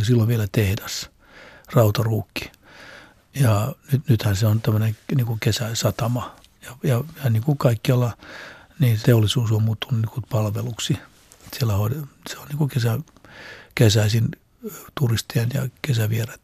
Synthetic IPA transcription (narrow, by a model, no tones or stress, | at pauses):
silːoʋʋielæt̪ehdæs | rɑut̪ɑruːkːi̥ | jɑnyt̪nyt̪hænseont̪æmːøneŋniːŋkukesæsɑt̪ɑmɑ | jɑjɑjɑniːŋkukɑikːiɑlːɑ | niːt̪eolːisuːsommuːt̪ːununikupɑlʋeluksi | sielːæhoidseonniːŋkukesæ | kesæisin | t̪urist̪iɑnjɑ̰kesæʋieret̪